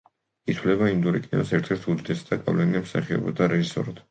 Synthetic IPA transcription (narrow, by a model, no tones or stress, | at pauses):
it̪ʰwlɛbaimd̪uɾikʼinɔ̰sɛɾt̪ʰɛɾt̪ʰud̪d̪ɛsd̪aɡʼa̰vlɛniamsaχiɔ̰bɔd̪aɾɛʒisɔ̰ɾad̪̥